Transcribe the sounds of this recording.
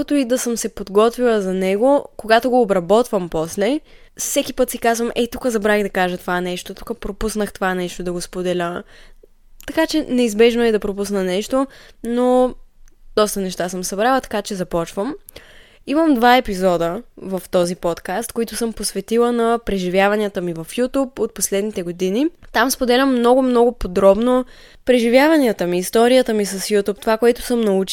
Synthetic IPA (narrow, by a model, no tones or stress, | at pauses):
ot̪oid̪ɐsəmsɛpod̪ɡɔt̪vilˠəzɐnɛɡokoɡat̪oɡoːbɾɐbɔt̪vəmpɔslɛsɛkipɤt̪sikazvəmʔɛt̪ukəzɐbɾaɣd̪ɐkaʒət̪ovaɛnɛʃt̪ot̪ukəpɾopusnəxt̪ovanɛʃt̪od̪ɐɡospod̪ɛlʲə | t̪ɐkat͡ʃɛnɛizbɛʒnoɛd̪ɐpɾopusnɐnɛʃt̪ono | d̪̥ɔst̪ənɛʃt̪asəmsɐbɾalˠət̪ɐ̥kat͡ʃɛzɐpɔt͡ʃvəm | iməmd̪vaɛpizɔd̪əvəft̪ɔzipɔt̪kast̪koit̪ʊsɤmposvɛt̪ilˠənɐpɾɛʒivʲjavɐniət̪əmivɐfjut̪upot̪̚poslɛd̪nit̪ɛɡod̪init̪amspod̪ɛlʲəmːnɔɡʊmnɔɡʊpod̪ɾɔbno | pɾɛʒivjavɐniət̪əmiːst̪ɔɾijət̪əmisɐsjut̪upt̪ovakoɛt̪ʊ̥sɤmnɐut͡ʃ